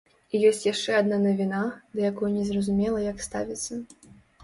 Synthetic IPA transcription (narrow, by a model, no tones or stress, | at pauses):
ijɔsʲt͡sʲjaʂt͡ʂɛad̪nanɐvʲinad̪ɐjakɔjunʲɛzrɐzumʲɛlˠɐjakst̪a̰vʲit̪sːɐ